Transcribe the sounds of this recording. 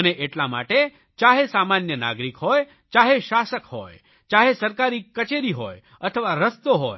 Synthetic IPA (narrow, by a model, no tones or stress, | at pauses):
əneʔeʈlama̰ʈe | t͡ʃaɦesamanjəna̰ɡɾikɦoj | t͡ʃaɦeʃasəkɦo̰j | t͡ʃaɦesəɾkaɾikət͡ʃeɾiɦo̰j | ət̪ʰəʋaɾəst̪oɦo̰j